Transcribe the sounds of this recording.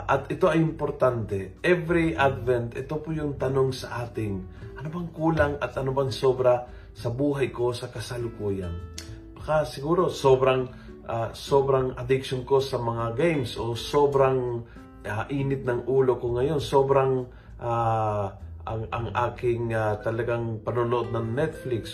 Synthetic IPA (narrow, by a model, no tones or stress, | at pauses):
ʔɐt̪ɪt̪o̞ɐjɪmpoɾt̪ant̪ɛʔɛvɾiʔad̪vɛnt̪ɛt̪opʊjʊŋt̪ɐno̞ŋsɐʔaːt̪ɪŋ | ʔɐnobɐŋkuːlaŋɐt̪ʔɐnobɐŋsoːbɾa | sɐbuːɦɐjko̞sɐkɐsɐlʊkuːjan | bɐkasɪɡuːɾo̞so̞bɾaŋ | ʔasobɾɐŋɐd̪ɪkʃonko̞sɐmɐŋaɡɛjmsʔo̞so̞ːbɾaŋ | aʔiːnɪt̪̚nɐŋʔuːlo̞koŋɐjo̞nso̞ːbɾaŋ | ʔa | ɐŋɐŋʔaːkɪŋat̪ɐlɐɡaŋpɐnonoʔod̪̚nɐŋnɛt̪̚flɪks